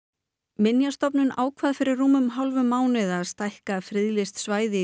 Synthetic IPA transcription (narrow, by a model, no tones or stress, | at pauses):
mɪnjast̪ɔpnʏnʔa̰ːwkʰvaðfɪɾɪrːuːmʏmɦawlvʏmːaːwnɪðaðst̪ajhkafɾɪðlɪst̪svaːjðɪ